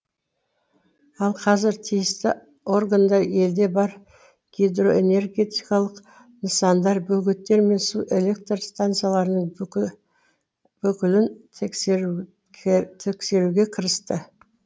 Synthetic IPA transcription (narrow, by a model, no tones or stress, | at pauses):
ɑlˠqʰɑzɪɾt̪ʰijɪst̪ɪ | o̞rɡand̪ɑe̞ld̪e̞bɑɾ | ɡ̥ʲid̪ro̞ʔe̞̰ne̞rɡʲe̞t̪ikɑlˠəq | nəsɑnd̪ɑɾbɵɡʲɪt̪ːe̞ɾme̞nsuʔe̞le̞k̚t̪rst̪ant̪sɨjalˠɑɾənəɴ | b̥ʏkʲɪlɪnʰ | t̪ʰe̞kse̞ɾuɡʲekʲʰəɾəst̪ə